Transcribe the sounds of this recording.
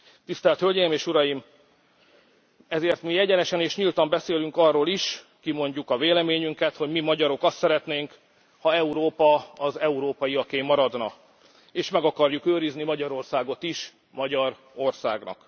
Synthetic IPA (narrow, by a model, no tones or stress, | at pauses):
t̪ist̪ɛlt̪hølɟɛjimeːʃuɾɒjim | ɛzeːrt̪mijɛɟɛnɛʃɛneːʃɲilt̪ɒmbɛseːlyŋkɒrːoːliʃ | kimo̞ɲɟukɒveːlɛmeːɲyŋkɛt̪ho̞ɟmimɒɟɒɾo̞kɒst̪sɛɾɛt̪neːŋk | hɒɛuɾoːpɒɒzɛuɾoːpɒjiɒkeːmːɒɾɒd̪nɒ̰ | eːʃmɛɡɒkɒrjukøːɾiznimɒɟɒɾo̞rsaːɡo̞t̪iʃ | mɒɟɒɾ | o̞rsa̰ːɡnɒ̰k